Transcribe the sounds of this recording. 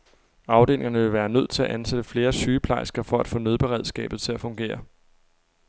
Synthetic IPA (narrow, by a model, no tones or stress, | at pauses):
ɑ̈ʊd̥e̝̰lʔe̝ŋɐnəʋe̝lʋæːɐnøð̞̰ˠt͡sʰe̝æʔænsed̥əfle̝ːɐsyːpʰlɑ̈ɪsɡ̥ɐfɒ̽æd̥fɔ̰̽ːnøð̞ˠb̥e̝ʁɛð̞̰ˠsɡ̥ɛ̰ːb̥ð̩ˠt͡sʰe̝læfɔ̽ŋɡ̥e̝̰ːɐ